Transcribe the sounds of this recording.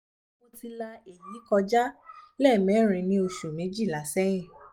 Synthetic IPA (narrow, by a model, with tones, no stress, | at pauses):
o˧ti˧la˧e˨ji˨˦kɔ˧d͡ʒa˦lɛ˦˨mɛ̃˨˦˨ɾ̃ĩ˧nĩ˧o˧ʃu˨nĩ˨˦d͡ʒi˦˨la˨˦sɛ˦ĩ˦˨